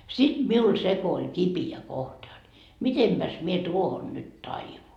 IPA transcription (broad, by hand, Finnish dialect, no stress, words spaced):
sit miul se ko olʲ kipiæ kohtɑ jot mitempæs mie tuohon nyt tɑiʋun